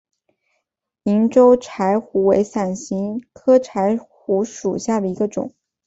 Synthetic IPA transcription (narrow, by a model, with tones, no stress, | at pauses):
i˧˥ŋʈ͡ʂo˥ʊʈ͡ʂʰa˧˥ɪxu˧˥we˧˥ɪsa˨˩nɕi˧˥ŋkʰɤ˥ʈ͡ʂʰa˧˥ɪxu˧˥ʂu˨˩ɕja˥˩d̪ə˩i˧˥ɡə˧ʈ͡ʂʊ̰˨˩˦ŋ